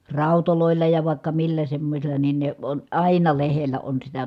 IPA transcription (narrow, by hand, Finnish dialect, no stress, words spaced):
rɑˑu̞toloˑilːɑ jɑ ʋɑˑi̯kːɑ milːæ semːosilˑɑ nin ne on ɑˑinɑ lehelːæ on sitæ